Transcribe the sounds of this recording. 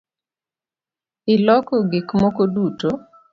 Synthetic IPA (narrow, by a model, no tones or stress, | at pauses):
ɪlɔkɔɡikmokoduto